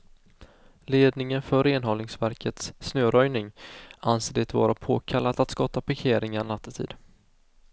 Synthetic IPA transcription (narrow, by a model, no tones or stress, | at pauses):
leːd̪nɪŋənfœɾeːnɦɔlnɪŋsvæɾkʰət̪sːnøːɾœjnɪŋanseːd̪ɛt̪vɑ̰ːɾapʰoːkʰalːat̪at̪skɑːt̪apʰaɾkʰeːɾɪŋaɾnat̪ʰːət̪ʰḭːd̪